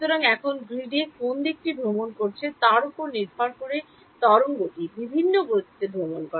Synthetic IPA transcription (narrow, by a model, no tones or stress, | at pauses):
t̪oɾaŋɛkʰonɡɾiɖekond̪ek̚ʈibʱɾomonkoɾt͡ɕʰet̪aɾopoɾniɾbʱaɾkoɾe | t̪ɔɾoŋɡoʈibibʱinːoɡot̪i̥t̪ebʱɾomonkɔɾa